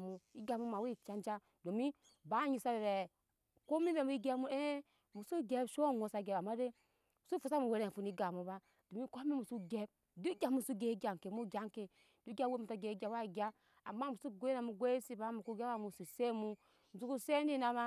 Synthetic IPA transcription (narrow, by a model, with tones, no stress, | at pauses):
mu˨i˦ɡa˨mu˦ma˨wi˦˨t͡ʃa˦nd͡ʒa˦ | do˨mi˦ | ba˦ɲi˨sa˦ɾe˨ɾe˨ | ko˦mi˦be˨mu˨˦i˦ɡe˦mu˦e˦ | mu˨su˦ɡe˦bʃo˦ŋo˨sa˨ɡe˨ba˨ma˦de˦ | mu˨su˦fu˨sa˦mu˨we˨ɾe˨fu˨ni˦ɡa˨mu˨ba˦ | d̥o˨mi˦ko˦mi˦mu˨su˦ɡe˦b̚ | du˦ɡʲa˨mu˦su˦ɡe˨˦i˦ɡʲa˨ŋ˨ke˨mu˦ɡʲa˦ŋke˨ | du˦ɡʲa˦we˦mu˨ta˦ɡe˨˦ɡʲa˨˦wa˦i˨ɡʲa˦ | a˨mːa˦mu˨su˦˨ɡʷe˦na˨mu˨ɡʷe˦si˦ba˨˦mu˨ku˦ɡa˦a˦˨mu˨su˨se˦mu˦ | mu˨su˦ku˦se˦ndi˦na˨ma˦